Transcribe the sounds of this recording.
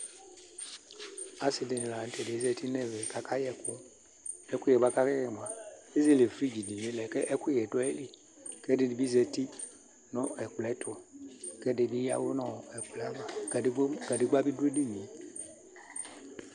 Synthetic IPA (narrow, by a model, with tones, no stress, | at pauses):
a˦sɪ˨dɪ˨nɪ˨la˨n̩˦tɛ˨dɪ˨˦zɛ˦ti˦nɛ˦vɛ˨ka˦kʰa˦jɛ˨kʊ˦ | ɛ˦kʊ˦jɛ˨ba˦ka˦ka˦jɛ˨m˨ã˨e˦ze˦le˨fɾi˦d͡ʒi˨di˨je˦lɛ˨kɛ˦ʔɛ˦kʊ˦jɛ˨dɔ˦ɛ˦li˨ | kɛ˦dɪ˨˦dɪ˨bi˦zɛ˨ti˦ | nɔ˦ɛ˨k͡plɛ˨˦tʰʊ˨kɛ˦dɪ˨bi˦ja̰˦wʊ˦nɔ̃˨ɛ˨k͡plɛ˨a˦ma˨˦ | ɡa˨dɪ˦ɡ͡ba˦bi˦du˦e˦di˦˨ɲĩ˨˦